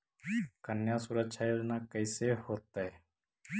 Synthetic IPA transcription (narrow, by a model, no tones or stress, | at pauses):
kənjaːsʊɾəkʃʰajoːd͡ʒnaːkəɪsehoːt̪ːae